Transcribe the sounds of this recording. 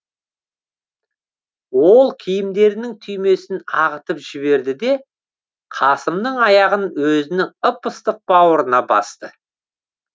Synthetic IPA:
wo̞lˠkʲʰijɪmd̪e̞ɾɪnɪŋt̪ʰʏjme̞sɪnɑʁət̪əpʒ̥ɪβe̞ɾd̪ɪd̪e̞ | qʰɑsəmnəɴɑjɑʁənwɵzɪnɪŋəpəst̪əq̚b̥ɑwəɾənɑbɑ̰st̪ə

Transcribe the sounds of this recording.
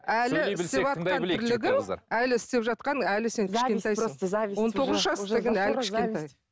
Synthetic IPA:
ælɪɪst̪epʒɑt̪q̪ɑnɪʏɾɾlɪɡʲɪn̰ælɪɪst̪e̞pʒɑt̪qɑnælɪse̞ŋʲɪʃʲe̞nt̪ejwo̞nt̪ʰo̞ʁəzʃʒɑseɡʲɪnælkʰɪʃʲe̞nt̪ej

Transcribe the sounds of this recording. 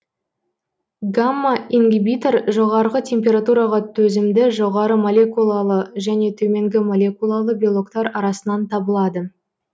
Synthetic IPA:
ɡamːaiŋɡʲibit̪eɾʒo̞ʁɑɾʁət̪ʲʰe̞mpʲe̞ɾat̪uɾɑʁɑt̪ʰɵzɪmd̪ɪʒo̞ʁɑɾəmolʲe̞kulˠalˠəʒæne̞t̪ʰɵme̞ŋɡʲɪmolʲe̞kulˠalˠəbʲijolˠo̞kt̪ɑɾɑɾɑsənɑnt̪ʰɑbəlˠɑd̪ə

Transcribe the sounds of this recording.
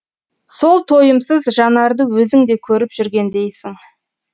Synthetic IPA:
so̞lˠt̪ʰo̞jəmsəzʒɑnɑɾd̪əwɵzɪŋd̪e̞kʲʰɵɾɪpʒ̥ʏɾɡʲe̞nd̪e̞jsɪŋ

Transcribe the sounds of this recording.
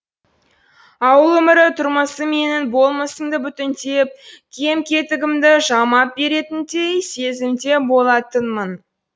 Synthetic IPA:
ɑwəlˠwɵmɪɾɪt̪ʰʊɾməsəme̞nɪnbo̞lˠməsəmd̪əbʏt̪ɪnt̪e̞p̚kʲʰe̞mkʲe̞t̪ɪɡʲɪmd̪ɪʒɑmɑp̚be̞ɾe̞t̪ɪnt̪ejse̞zɪmt̪e̞bo̞lˠɑt̪ənmən

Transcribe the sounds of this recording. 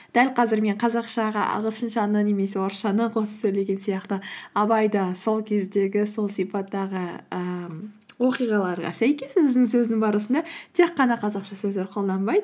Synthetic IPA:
d̪̥ælqʰɑzɪɾme̞ɴqʰɑzɑqʃɑʁɑʔɑ̰ʁəlˠʃənʃɑnəne̞me̞se̞woɾʃɑnəqʰo̞sə̥psɵjle̞ɡʲe̞nsijɑqt̪əɑbɑjd̪ɑso̞lˠkʲʰe̞zd̪e̞ɡʲɪso̞lˠsipɑt̪ːɑʁəə | wo̞qijʁɑlˠɑɾʁɑ̰sæjkʲe̞swɪzd̪ɪŋsɵzɪnɪŋbɑɾəsənd̪ɑt̪ʰe̞qːɑnɑqʰɑzɑqʃɑsɵzle̞ɾqʰo̞lˠd̪ɑnbɑjd̪əə

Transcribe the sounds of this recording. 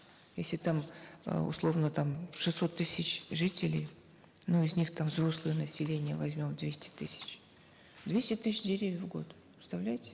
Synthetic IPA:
jesʲlʲɪt̪amə̰ʊ̰slˠo̞vnət̪amʂɨsːo̞t̪ːɨsʲɪt͡ɕʐɨtʲɪlʲɪj | nuɪzʲnʲixt̪amvzro̞slˠɨjənəsʲɪlʲenʲɪjəvɐzʲmʲo̞md̪vʲesʲtʲɪ̥t̪ɨsʲɪ̥t͡ɕ | d̪vʲesʲtʲɪt̪ɨs̬ʲɪdʲɪɾʲevʲjəvɡo̞̰t̪ | ʊ̥st̪ɐvlʲæjtʲɪ̥

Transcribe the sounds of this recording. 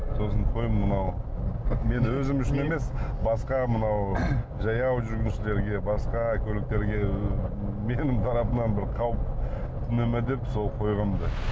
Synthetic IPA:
so̞səɴqʰo̞jəmmənɑw | me̞nwɵzɪmʏʃɪneme̞sbɑsqɑmənɑw | ʒɑjɑwʒʏɾɡʲɪnʃɪle̞ɾɡʲe̞bɑsqɑkʲʰɵlɪk̚t̪e̞ɾɡʲe̞ | me̞nɪmt̪ʰɑɾɑpənɑnbɪɾqʰɑwəpt̪ʰɪnɪmɪd̪e̞pso̞lˠqʰo̞jʁəmd̪ə

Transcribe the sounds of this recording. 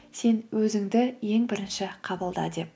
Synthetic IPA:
se̞nwɵzɪŋd̪ɪje̞ŋbɪɾɪnʃɪqʰɑbəlˠd̪ɑ̰d̪e̞p̚

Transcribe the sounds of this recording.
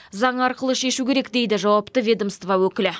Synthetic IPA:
zɑɴɑɾqəlˠəʃe̞ʃukʲʰe̞ɾe̞kd̪e̞jd̪ɪʒɑwɑpt̪əvʲe̞d̪omst̪vɑwɵkʲɪlɪ

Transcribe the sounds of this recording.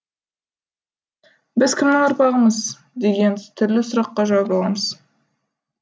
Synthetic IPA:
bɪzkʲʰɪmnɪŋoɾpɑʁəɴəz | d̪e̞ɡʲe̞nt̪ʰʏɾlɪsʊɾɑqːɑʒɑwɑpɑlˠɑməz̥

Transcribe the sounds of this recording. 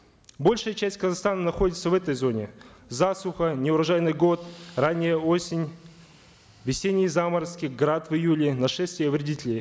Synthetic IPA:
bo̞lʲʂɨjət͡ɕæsʲtʲkəzast̪anənɐxo̞dʲɪt̪səvɛt̪əjzo̞nʲɪzasʊxənʲɪʊɾɐʐajɪnɨjɡo̞t̪ranʲːɪjəo̞sʲɪnʲ | vʲɪsʲenʲːɪjzaməɾəskʲiɡɾat̪vɨjulʲɪnɐʂɛsʲt̪vʲɪjəvɾʲɪdʲitʲɪlʲɪj

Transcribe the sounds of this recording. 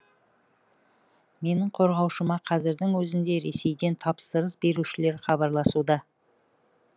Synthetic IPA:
me̞nɪŋqʰo̞ɾʁɑwʃəmɑqʰɑzɪɾd̪ɪŋwɵzɪmd̪e̞ɾe̞se̞jd̪e̞nt̪ʰɑpst̪əɾəsbe̞ɾuʃɪle̞ɾχɑbɑɾlˠɑsud̪ɑ

